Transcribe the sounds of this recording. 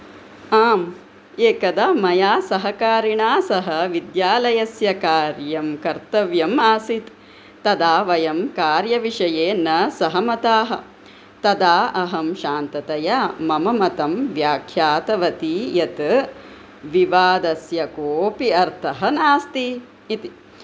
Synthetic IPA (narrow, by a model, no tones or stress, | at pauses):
aːm | eːkɐd̪amɐjaːsɐɦɐkaːɾiɳaːsɐɦɐʋid̪jaːlɐjɐsjɐkaːɾjɐmkɐɾt̪ɐʋjɐmaːsit̪ː | ɐd̪aːʋɐjɐmkaːɾjɐʋiʂɐjeːnɐsɐɦɐmɐt̪aːɦɐ̆ | t̪ɐd̪aːʔɐɦɐmʃaːnt̪ɐt̪ɐjamɐmɐmɐt̪ɐmʋjaːkʰjaːt̪ɐʋɐt̪ijɐt̪ | ʋiʋaːd̪ɐsjɐkoːpiɐɾt̪ʰɐɦɐnaːst̪i | it̪i